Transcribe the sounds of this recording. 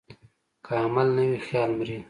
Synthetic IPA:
kʰaamalnəwixjɑːlmɾi

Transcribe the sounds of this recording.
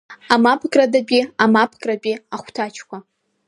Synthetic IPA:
amapʰɡʼradabʲʼiamapʰkʼrabʲʼiaχʷtʰat͡ʃʰkʷʰa

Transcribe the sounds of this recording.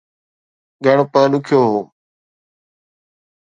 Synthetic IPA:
ɡʱəɳ̃opãːnʊkʰjoːɦoː

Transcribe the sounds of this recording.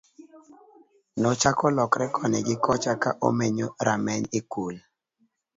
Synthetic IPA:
nɔt͡ʃakɔlɔkɾɛkʰɔnɛɡɪkɔt͡ʃakaʔo̰meɲoɾʔamɛɲekul

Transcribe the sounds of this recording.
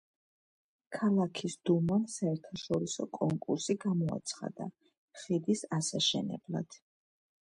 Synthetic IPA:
kʰalˠakʰisd̪umansaɛɾt̪ʰaʃɔɾisɔkʼɔŋkʼuɾsiɡamɔa̰t̪sʰχa̰d̪a̰ | χid̪isasaʃɛnɛ̰blˠa̰d̪̥

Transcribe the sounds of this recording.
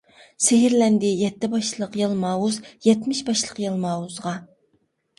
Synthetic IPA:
seɦɪɾlɛnd̪ɪjɛt̪ːɪbɑʃlˠəqjɨlˠmɑːwuzjɛt̪mɪʃbɑʃlˠəqjɨlˠmɑːwuzʁɑ

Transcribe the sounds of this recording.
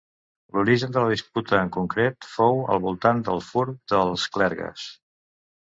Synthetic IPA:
luɾiʒənd̪ələðisput̪əːŋkuŋkɾet̪fowə̰lˠβulˠt̪and̪əlˠfuɾd̪əlˠsklɛɾɣə̰s

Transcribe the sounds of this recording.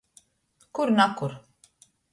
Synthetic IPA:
kuɾnakuɾ

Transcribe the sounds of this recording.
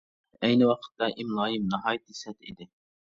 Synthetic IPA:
ɛjnɪwɑqʰə̥t̪ːɑʔimlˠɑːjɪmnɑɦɑːjt̪̚ːisɛt̪ḭd̪ɪ

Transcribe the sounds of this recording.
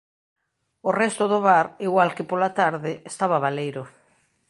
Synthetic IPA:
orɛst̪oðoβaɾiɣwalkepolat̪aɾðɪest̪aβaβalejɾʊ

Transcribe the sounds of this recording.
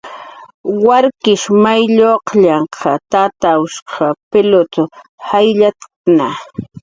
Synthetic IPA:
waɾkɪʃmajʎoqʎɑɴqʰɑt̪at̪aʊʃqʰɑpɪlot̪ʊhajʎat̪ | na

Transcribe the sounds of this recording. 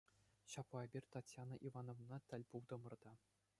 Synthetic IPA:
ɕɑplˠɑebʲirʲt̪ɑtʲjɑnɤʔivɑnovnɑt̪ʲɘ̆lʲpulˠd̪ɤ̆mɤ̆rd̪ɑ

